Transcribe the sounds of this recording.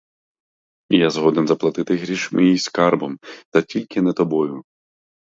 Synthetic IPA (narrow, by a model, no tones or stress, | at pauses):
jazɦɔd̪enzɐplˠɐt̪ɪt̪ɪɦɾʲiʃmijijskɑrbɔmt̪ɐtʲilʲkɪnɛt̪ɔbɔjʊ